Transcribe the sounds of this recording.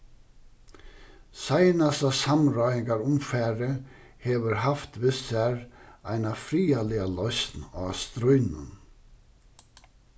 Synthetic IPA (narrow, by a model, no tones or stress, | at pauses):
sajnasasamɾɔɪŋɡaɾʊmfæːɾə | hɛːʋəɾɦaft̪vɪsæɾaɪnafɾiːalɪalɔʏst̪na̰ːst̪ɾœʏnə̰n